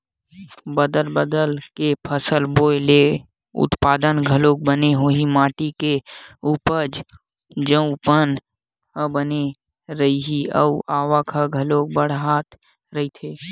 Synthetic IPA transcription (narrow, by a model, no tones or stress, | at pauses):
bəd̪əlbəd̪əlkepʰəsəlboːjle | ʊ̰t̪paːd̪ənɡʱəloːk̚bəneɦoɦimaːʈikeupəɾd͡ʒ | d͡ʒəũpən | bəne | ɾəiɦiə̰ʊʔaːʋakʰəɡʱəloːk̚bəɽ̤ɦaːt̪ | ɾɐɦit̪ʰeː